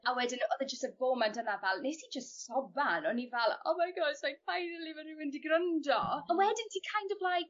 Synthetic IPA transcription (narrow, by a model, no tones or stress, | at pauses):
awɛdɪnɔðɛd͡ʒəstəvoːmɛntʰənavalˠnejsid͡ʒəstsɔbanɔnivɛlˠo̰ːmajɡɔd̥ʃlajkfajnəlˠivɛɾɨwɪndiɡrəndɔwɛdɪntʰikʰajndəblajɡ